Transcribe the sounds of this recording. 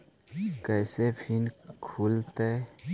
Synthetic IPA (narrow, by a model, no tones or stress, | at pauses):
kɛːsepʰinkʰult̪e